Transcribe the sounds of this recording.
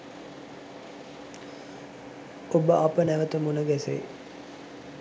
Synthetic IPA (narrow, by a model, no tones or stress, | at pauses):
obəʔapənæʋət̪əmunəɡæsḛ